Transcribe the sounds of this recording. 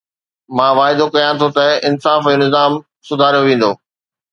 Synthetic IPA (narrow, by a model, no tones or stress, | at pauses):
mãːʋaːɪd̪okɐjãt̪ʰot̪ɐɪnsaːfonɪzaːm | sʊd̪ʱaːɾijoʋẽːn̆d̪oː